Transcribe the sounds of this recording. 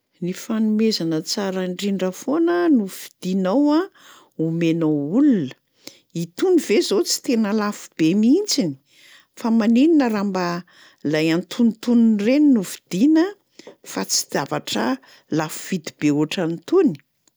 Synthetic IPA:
nifanumezanət͡saɾəɳɖ͡ʐiɳɖ͡ʐəfonənuv̥i̥d̪̥inawa | umenoulunə̥ | it̪univezot͡si̥t̪enəlafu̥b̥emint͡sini̥ | famanininəɾamba | lajant̪ʰunit̪uninreninuvid̪̥inə | fat͡si̥d̪̥avaʈ͡ʂə̰ | lafuv̥id̪ibeuʈ͡ʂanit̪uni̥

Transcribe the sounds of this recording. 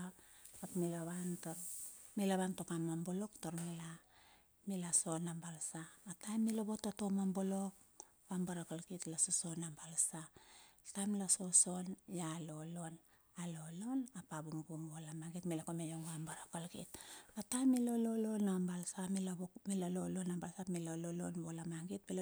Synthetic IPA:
atmilaβantomilaβantokamambolo̞ktoɾmila | milaso̞nambalsamatajmːiloβo̞totomambolo̞k̚ | βambaɾakalkitlasoso̞nambalsatajmlaso̞so̞njalo̞lo̞n | alo̞lo̞napabumɡumbolamaɡitmilakomejoŋambaɾakalkḭt̚batajmilo̞lo̞lo̞nambalsamilaomilalolo̞nambalsamilololo̞nbolamaŋɡit̚mil

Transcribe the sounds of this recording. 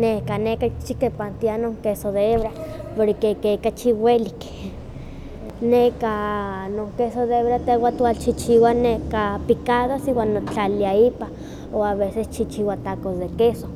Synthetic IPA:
nehkanekat͡ʃikepant̪ianoŋkesoðeeβɾapoɾkekekat͡ʃiwelik | nekanoŋkesod̪eeβɾat̪ewat̪walt͡ʃit͡ʃiwanekapikaðosiwanːot͡ɬaliaipa | oaβesest͡ʃit͡ʃiwat̪akosd̪ekeso

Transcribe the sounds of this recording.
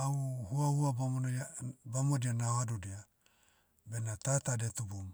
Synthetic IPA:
auhuahuabamonbamodianaohadudia | benatatadetubum

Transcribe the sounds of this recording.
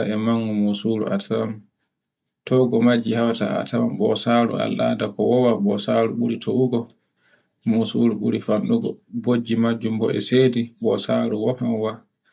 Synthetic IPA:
aɛmaŋːumusulṵʔa̰tʰawam | tʰɔɡɔmad͡ʒːihawata̰a̰tʰawamɓɔsaːɾṵa̰lːa̰dakɔwɔwabɔsaɾuɓuɾitʰoʔuɡɔ | musṵluɓuɾifanɗuɡɔbod͡ʒːimad͡ʒːumbɔ̰ɛ̰seːdiɓɔsaɾuwɔhamwa

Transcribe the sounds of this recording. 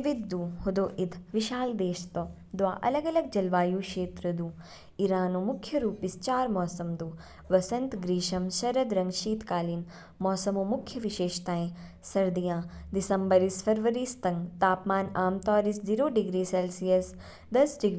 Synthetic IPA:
ʋid̪ːuːɦud̪oːʔid̪ʱʋiʃaːld̪eːʃt̪oː | d̪ʋaːʔɐlɐɡɐlɐɡ̚d͡ʒɐlʋaːjuːkʃeːt̪ɾɐd̪uː | iɾaːnoːmʊkʰjɐɾuːpist͡ʃaːɾmɔːsɐmd̪uː | ʋɐsɐnt̪ɡɾiːʃɐmʃɐɾɐd̪ɾɐ̃ŋɡʃiːt̪kaːliːn | mɔːsɐmõːmʊkʰjɐʋiʃeːʃt̪aːẽ | sɐɾd̪ijãːd̪ɪsɐ̃mbəɾisfɐɾʋəɾiːst̪ɐ̃ŋɡt̪aːpmaːnaːmt̪ɔːɾisziːɾoːɖiɡɾiːselsijɐs | d̪ɐsɖiɡɾ

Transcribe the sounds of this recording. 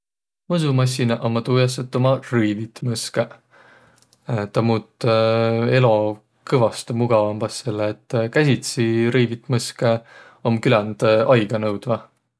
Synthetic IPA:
mɤs̬umɑsʲːinɑʔomːɑt̪uːjɑsːet̪ːˑomɑrɯjvit̪ːmɤske | t̪ːɑmuːt̪ːˑ | e̞lo̞ | kɤvɑst̪muɡ̥ɑvɑmbɑsːelːeːt̪ːˑkæsʲit̪siɾɯjvit̪mɤske | o̞mkylænd̪̥ɑjɡ̥ɑnɤwd̪̥vɑ

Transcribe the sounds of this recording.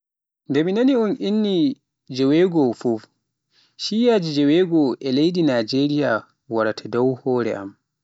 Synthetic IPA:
ndɛminaniɔnʔinːi | d͡ʒɛwɛɡɔfuf | ʃijaːd͡ʒid͡ʒɛwɛɡɔʔɛlejdinad͡ʒeɾija | waɾatʰadawhɔːɾɛ̰ʔa̰m

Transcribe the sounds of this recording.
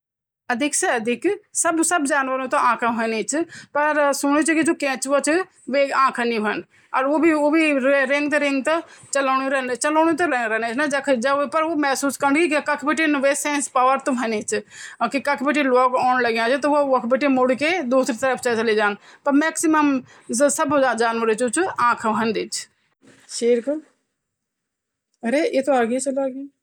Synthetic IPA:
əd̪ɪksɛəd̪ʱɪksəbsəbd͡ʒaːnʋəɾũːt̪õãːkʰãːɦɛ̃ːneːt͡ʃpəɾsʊɳ̃ĩːt͡ʃkɪd͡ʒoːkɛ̃ːt͡ʃʋot͡ʃ | ʋeːãːkʰãːnĩːɦən | əɾoːbiːoːbiːɾɪŋɡt̪eːɾɪŋɡt̪ãːt͡ʃəlaːnĩːɾɛːnt͡ʃəlɔːnĩːt̪̬õːɾɛːɾɛːneːt͡ʃnãːd͡ʒəkʰd͡ʒəpəɾoːmɛːsuːskəɾɳɡikkəkʰbeːʈeːnʋeːsɛ̃ːnspaːʋəɾt̪õːɦɛːneːt͡ʃkɪkəkʰbeʈiːloːkaːnləɡjãːt͡ʃːt̪ooʋəkʰbeːʈːiːmʊɽkeːd̪uːsɾiːt̪əɾəpʰt͡ʃət͡ʃəliːd͡ʒaːnpəɾmɛːksɪməm | səbd͡ʒaːd͡ʒaːnʋəɾet͡ʃʊt͡ʃãːkʰɦənd̪it͡ʃ | ʃiːɾk | əɾeːeːt̪õːaːɡet͡ʃəlaːɡiː

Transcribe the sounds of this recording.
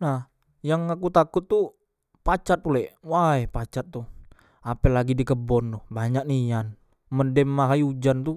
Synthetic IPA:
nah | jaŋakut̪akʊt̪ːu | pat͡ʃat̪̚pulɛʔwajpat͡ʃat̪̚ːu | apɛlaɡidikəbɔnt̪ʊhbaɲak̚nijan | mədɛmːaɦaiud͡ʒant̪u

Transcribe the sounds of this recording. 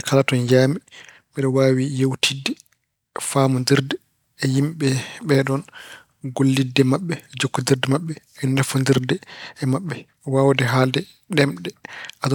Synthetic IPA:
ɛkʰalatɔnd͡ʒaːmi | miɗɔwaːwijewtʰidːɛ | faːmundiɾdɛː | jimɓɛɓɛɗɔn | ɡolːidːɛmaɓːɛd͡ʒokːundiɾdɛmaɓːɛːnafundiɾdɛɛmaɓːɛ | wawdɛɦaldɛ | ɗɛmɗɛʔa

